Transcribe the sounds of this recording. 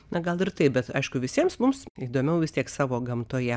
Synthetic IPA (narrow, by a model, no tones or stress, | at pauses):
nɐɡɐlˠɪrt̪ɐɪp̚bʲɛt̪ɐɪʃkʊʋʲɪsʲiɛmsmʊmsiːd̪oːmʲɛʊʋʲɪst̪ʲiɛksɑːʋoːɡɐmt̪oːjɛ